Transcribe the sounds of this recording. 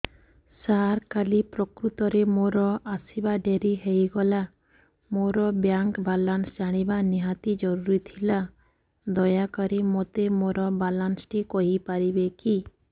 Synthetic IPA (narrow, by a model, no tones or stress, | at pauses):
saɾkalipɾɔkɾut̪ɔɾemoɾɔʔasibaɖeɾiɦejɡɔla | moɾɔbjaŋkbalansd͡ʒaɽ̃ibaniɦat̪id͡ʒɔɾuɾit̪ʰila | d̪ɔjakɔɾimot̪emoɾɔbalansʈikɔɦipaɾibeki